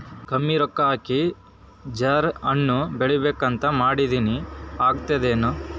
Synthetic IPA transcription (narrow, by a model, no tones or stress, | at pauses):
kɐmːiɾɔkːaːki | d͡ʒɐɾɐnːubeɭibeːkɐnt̪ɐmaːɽid̪iːniaːɡt̪ɐd̪eːnu